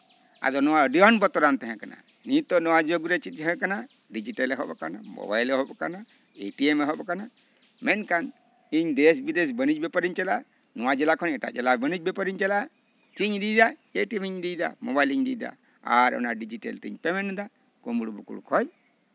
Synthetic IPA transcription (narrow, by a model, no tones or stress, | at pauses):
a̰d̪ɔnɔwaəɖiɔnbɔt̪ɔɾant̪ɛɦɛ̃kana̰ | nit̪ɔnɔwad͡ʒoɡɾɛt͡ʃit̪ɦɛ̃kana | ɖid͡ʒiʈelɛɦɔbɔkanamɔ̰bajlɛɦɔbɔkana | eʈiemɛɦɔbɔkana | mɛnkan | iɲd̪ɛs̬bid̪es̬bənid͡ʒbɛpəɾiɲt͡ʃɛla | nɔwad͡ʒɛlakʰɔnɛʈa̰ʔd͡ʒɛlabənid͡ʒ̚bɛpəɾiɲt͡ʃɛla | t͡ʃiɲd̪ijd̪aeʈiemiɲd̪id̪a̰mobajliɲd̪ijd̪a̰ | a̰ɾɔ̰naɖid͡ʒiʈḛlt̪ɛiɲpɛmɛnd̪a | kɔmbuɽubṵkṵɽkʰɔj